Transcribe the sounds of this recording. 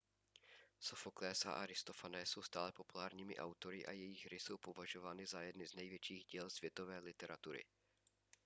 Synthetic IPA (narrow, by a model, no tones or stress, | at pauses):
sofoklɛːsa̰ʔaɾɪst̪o̞fanɛːso̞wst̪aːlɛpo̞pulaːɾɲiːmɪ̰ʔa̰wt̪o̞ɾɪʔa̰jɛjɪɣɾɪso̞wpovaʒo̞vaːnɪzajɛdnɪznɛjvjɛt͡ʃiːɣɟiːlsv̥jɛt̪o̞vɛːlɪt̪ɛɾat̪uɾɪ̰